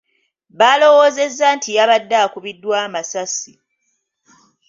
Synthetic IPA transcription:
βaːlo̞wo̞ːze̞zːaːntʰijaβadːakuβidːwaːmasasi

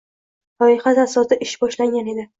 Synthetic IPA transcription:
lɒɪχat̪asɒsɪʔɪʃbɒʃlaŋɡʲane̞d̪ɪ

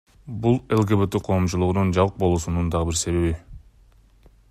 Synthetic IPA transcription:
bulˠe̞lˠɡeβet̪iqʰo̞ːmt͡ʃulˠuʁunund͡ʒɑβɯq̚bo̞lˠusunund̪ɑʁɯbiɾse̞ɾeβi

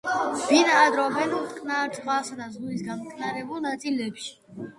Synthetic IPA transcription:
vinaːd̪ɾɔbɛnut̪ʼqʼnaɾt̪sʼqʼvasad̪azuisɡamɔkʰnaɾɛbulˠnat̪sʼilɛpʃi̥

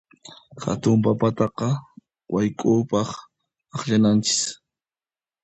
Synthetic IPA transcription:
xa̰t̪ʊmpapat̪ɑqɑ | wajkʼʊːpɑχ | ɑχʎanant͡ʃɪ̥s

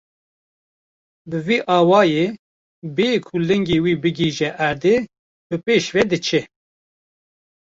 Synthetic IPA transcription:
bɨviːʔɑːwɑːjeː | bekʰulɛŋɡeːwiːbɨɡiːʒɛʔæɾd̪e | b̥ɨpeːʃvɛd̪ɨt͡ʃʰɛ

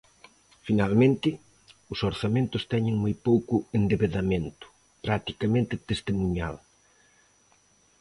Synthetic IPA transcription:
finalmẽnt̪ɪ | ʊsoɾθamẽnt̪ʊst̪ɛɲɪ̃ŋmojpowkʊend̪eβeðamẽnt̪ʊ̥ | pɾat̪ikɐmẽnt̪ɪt̪est̪emuɲa̰l

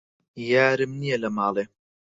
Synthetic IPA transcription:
jaːɾɨmnijɐlɐmɑːlˠe

